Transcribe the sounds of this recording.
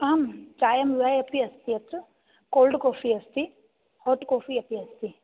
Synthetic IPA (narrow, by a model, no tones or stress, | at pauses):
amt͡ʃaːjɐmʋiajɐpiɐst̪iɐt͡sɨ | koːlɖkoːfiɐst̪i | hoʈkoːfiɐpiɐst̪i